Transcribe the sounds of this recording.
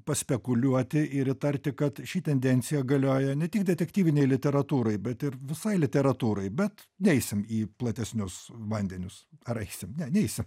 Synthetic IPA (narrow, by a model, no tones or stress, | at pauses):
pɐsʲpʲɛkʊlʲuɔt̪ʲɪʔɪɾɪt̪ɐɾʲt̪ʲɪkɐt̪ʃʲiːt̪ʲɛnʲd̪ʲɛnʲt̪sʲɪjɛɡɐlʲoːjɛnʲɛt̪ʲɪkd̪ʲɛt̪ʲɛkt̪ʲiːʋʲɪnʲɛɪlʲɪt̪ʲɛɾɐt̪uːɾɐɪbʲɛt̪ɪrʋʲɪsɐɪlʲɪt̪ʲɛɾɐt̪uːɾɐɪbʲɛt̪nʲɛɪsʲɪmiːplˠɐt̪ʲɛsʲnʲʊsʋɐnʲd̪ʲɛnʲʊsɐɾɛɪsʲɪmnʲɛnʲɛɪsʲɪm